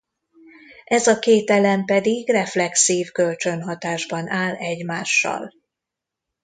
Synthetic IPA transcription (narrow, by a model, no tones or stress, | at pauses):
ʔɛzɒkeːt̪ɛlɛmpɛd̪iɡrɛflɛksiːvkø̞lt͡ʃønɦɒt̪aːʒbɒnʔaːlɛɟmaːʃːɒ̰l